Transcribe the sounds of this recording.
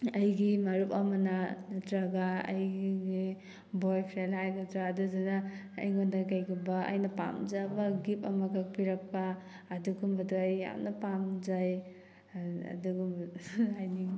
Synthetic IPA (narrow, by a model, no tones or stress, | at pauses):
ɐjɡimɐɾupɐmɐnɐtɾɐɡaɐ̰jɡi | bojpʰɾelhajɡɐtɾaːdudanaɐ̰jŋondaɡajɡubaɐ̰jnɐpa̰mzabɐɡipɐmɐɡak̚piɾɐk̚paː | duɡumbɐduɐjːa̰mnɐpamzaj | ɐ̰duɡumbɐajniŋ